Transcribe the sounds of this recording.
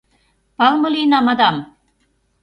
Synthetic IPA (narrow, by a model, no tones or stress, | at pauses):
pɑlmɤ̆linɑmɑd̪ɑm